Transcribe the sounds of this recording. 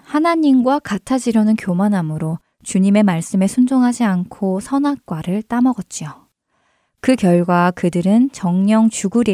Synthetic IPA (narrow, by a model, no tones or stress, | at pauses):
hanaɲimɡwakatʰad͡ʑiɾʌnɯnkjomanɦamɯɾo | t͡ɕuɲime̞maɭs͈ɯme̞sʰund͡ʑoŋɦad͡ʑiankʰosʰʌnak̚k͈waɾɯɭt͈amʌɡʌt̚t͡ɕ͈io | kɯkjʌɭɡwakɯdɯɾɯnt͡ɕʌŋɲʌŋt͡ɕuɡuɾi